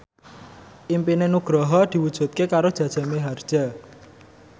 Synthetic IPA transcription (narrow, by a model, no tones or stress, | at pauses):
ʔimpinenuɡ̥ɾɔɦɔd̪̥i̤wud̥ʒ̥ṳt̪̚kekaɾod̥ʒ̥a̤d̥ʒ̥a̤meɦard̥ʒ̥a̤